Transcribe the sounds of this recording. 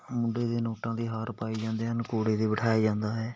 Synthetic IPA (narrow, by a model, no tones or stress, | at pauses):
mʊɳɖeːd̪eːnoːʈãːd̪iːɦaːɾpaːiːd͡ʒãːnd̪eːɦənkoːɽeːd̪eːbəʈʰaːiːd͡ʒãːnd̪aːɦɛː